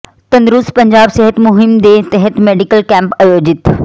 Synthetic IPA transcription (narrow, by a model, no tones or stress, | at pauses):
t̪ɐ̃nd̪ɾʊspɐɲd͡ʒaːbseɦət̪mʊɦɪmd̪eːt̪ɛɦɛt̪meːɖikəlkɛ̃ːmpɐjoːd͡ʑɪt̪